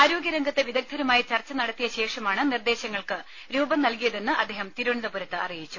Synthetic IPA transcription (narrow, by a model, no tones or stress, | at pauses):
aːɾoːɡjɐɾɐŋɡʱɐt̪ːeʋid̪ɐk̚d̪ʰʱɐɾɐmaːjit͡ɕɐrt͡ɕːɐnɐɽɐt̪ːijɐɕe̞ːʂɐmaːɳɨnird̪e̞ːɕɐŋːɐɭkɨ | ɾuːbɐmnɐlkijɐðe̞nːɨʔɐ̰d̪ːeːɦɐmt̪iɾuɳiðɐpuɾɐt̪ːɨʔɐ̰rijit͡ɕːu